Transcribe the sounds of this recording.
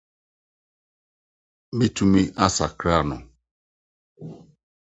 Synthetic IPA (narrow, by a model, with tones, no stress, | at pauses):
bi˦tu˦mi˦ʔa˦sa˨kɾa˦˨nɔ̰˨